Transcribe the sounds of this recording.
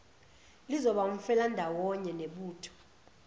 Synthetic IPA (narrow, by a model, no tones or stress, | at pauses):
lizɔɓaum̩fɛlandʱawɔɲɛneɓuːtʰɔ̥